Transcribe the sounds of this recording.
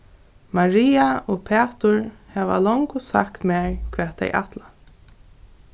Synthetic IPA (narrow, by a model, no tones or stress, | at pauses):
maɹiːaɔːpʰɛːt̪ʊɹhɛːʋa̰lɔŋkʊsa̰kt̪mɛːɹkʰvɛːt̪ɛ̰jʔa̰t̪la